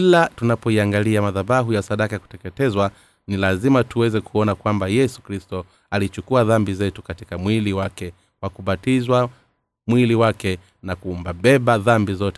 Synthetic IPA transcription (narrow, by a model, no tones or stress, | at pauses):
kilatunapɔiaŋɡaliamaðaɓaɦujasaɗakaku̥tɛkɛtɛzwa | nilazimatuwɛzɛkʰuɔnakwambajɛsu̥kɾistɔ | alit͡ʃukuaðambizɛtukati̥kamwiliwakɛ | kwakuɓatizwa | mwiliwakɛ | nakumbaɓɛɓaðambizɔtɛ